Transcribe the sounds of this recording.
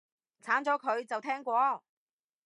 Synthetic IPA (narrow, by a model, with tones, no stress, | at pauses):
t͡sʰaː˨˥nt͡sɔː˨˥kʰɵ˨˧ɥt͡sɐ˨wt̪ʰɛː˥ŋkʷɔː˧